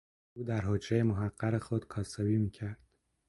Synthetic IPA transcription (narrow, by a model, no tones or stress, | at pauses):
ʔuːd̪æɾɦod͡ʒɾejemoɦæɢːæɾexod̪kʰɒːsebiːmiːcʰæɾd̪̥